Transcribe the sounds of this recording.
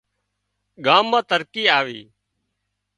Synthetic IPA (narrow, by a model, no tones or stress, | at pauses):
ɠaːmːãːt̪əɾkiːaːʋḭː